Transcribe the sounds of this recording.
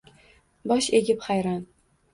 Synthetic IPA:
bɒʃeɡʲɪpχajɾɒn

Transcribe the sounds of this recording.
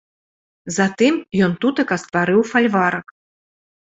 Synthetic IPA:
zat̪ɨmjɔnt̪ut̪ɐkɐst̪vaɾɨwfalʲvaɾɐk

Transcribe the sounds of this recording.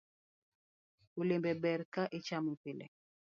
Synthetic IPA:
ulembɛbɛɾkaʔit͡ʃamupɪlɛ̰

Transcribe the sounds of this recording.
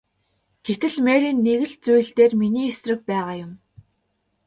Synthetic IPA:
ɡ̥et̪ɘ̆ɮmeːɾiːnːeɣɘ̆ɮt͡sujɘ̆ɮt̪eːrminiːesrɘ̆k̚pæːʁaːjʊm

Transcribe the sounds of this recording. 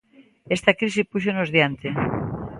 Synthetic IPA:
est̪akɾisipuʃ̬onozðjant̪e

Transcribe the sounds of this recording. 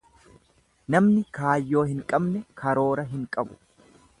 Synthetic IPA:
nɐmnɪkaːjːo̞ːhɪŋkʼɐbnɛkʰɐɾo̞ːɾɐɦɪŋkʼɐbʊ̥

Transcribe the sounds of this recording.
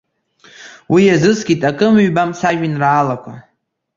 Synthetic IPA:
wijazɨsɡʲitʼakʼɨmɥbamsaʒᶣɪnraːlakʷʰa

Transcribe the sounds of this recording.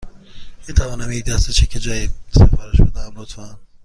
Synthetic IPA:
miːt̪ʰævɒːnæmid̪æst̪et͡ʃʰekʲʰed͡ʒɒːjisefɒːɾeʃbod̪æmlot̪fæn

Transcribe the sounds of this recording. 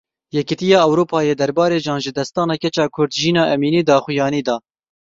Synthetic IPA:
jɛkit̪ijɑːɛwɾuːpʰɑːjeːd̪ɛɾbɑːɾeːʒɑːnʒɪd̪ɛst̪ɑːnɑkɛt͡ʃɑːkʰʊɾd̪ʒiːnɑːʔɛmiːniːd̪ɑːxʊjɑːniːd̪ɑː

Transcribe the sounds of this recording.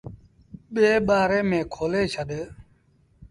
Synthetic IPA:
ɓeːɓaːɾeːmẽːkʰoːleːʃʰəd̪e

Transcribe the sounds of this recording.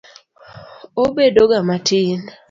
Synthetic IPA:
obedoɡamatʰin

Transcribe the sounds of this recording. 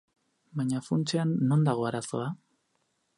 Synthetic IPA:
baɲafunt͡seanːo̞nd̪aɣ̞o̞aɾaso̞a

